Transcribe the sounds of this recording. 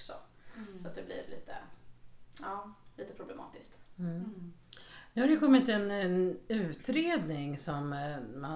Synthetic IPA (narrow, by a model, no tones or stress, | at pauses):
ksɔ | sɔat̪̚d̪ɛblɪ̰ɾlḭːt̪ə̰ | ɑːliːt̪əpʰɾʊblɛmɑ̰ːt̪ɪskt̪̩ː | nɵhaɾjəkɔmːɪt̪ɛnʉ̟ːt̪ɾeːd̪nɪŋsɔmːa